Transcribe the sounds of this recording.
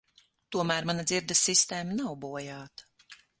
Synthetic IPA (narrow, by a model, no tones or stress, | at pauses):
t̪uɔmæːɾmanad̪ziɾd̪ɐsːist̪eːmanawbuɔjaːt̪ḁ